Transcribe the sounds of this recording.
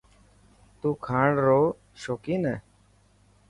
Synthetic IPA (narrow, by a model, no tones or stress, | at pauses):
t̪ũːkʰãːɳɾoː | ʃoːkiːneː